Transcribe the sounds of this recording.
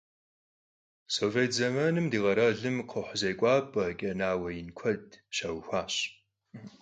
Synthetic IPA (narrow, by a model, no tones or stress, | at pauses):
soveːtʰzɐmɐnɨmdiːʁɐɾɐɮɨmqʰəħzɐjkʷʼɑːpʼɐkʲʼɐnaːwɐjɪnkʷʰɐdɕɐwxʷaːɕ